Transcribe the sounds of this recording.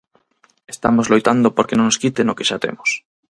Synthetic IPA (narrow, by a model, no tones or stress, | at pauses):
est̪amozlojt̪and̪opoɾkenõŋnoskit̪enokeʃat̪ḛmos